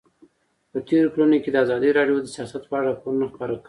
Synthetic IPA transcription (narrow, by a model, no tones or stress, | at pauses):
pət̪eɾokəlunoked̪əazɑd̪əɾɑɖjod̪əsijɑsat̪pəaɽapoɾunoxpəɾakə